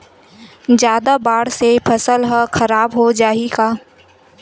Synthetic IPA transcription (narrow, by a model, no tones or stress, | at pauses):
d͡ʒjaːd̪abaːɽsepʰɐsəlɦəxɐɾaːbɦod͡ʒaːiɡaː